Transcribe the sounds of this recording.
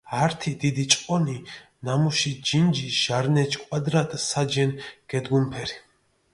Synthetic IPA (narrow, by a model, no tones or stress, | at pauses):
haɾt̪ʰid̪id̪it͡ʃʼqʼɔni | namuʃid͡ʒind͡ʒiʃaɾnɛt͡ʃʰkʼwad̪ɾat̪ʼsad͡ʒɛnɡ̥ɛd̪ɡumpʰɛɾi